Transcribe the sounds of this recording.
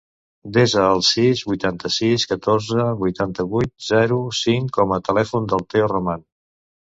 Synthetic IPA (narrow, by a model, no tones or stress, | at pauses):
d̪ezəːlˠsizβujt̪ant̪əsiskət̪orzəβujt̪ant̪əβujt̪̚zɛɾusiŋkɔmət̪əlɛfund̪əlˠt̪euruman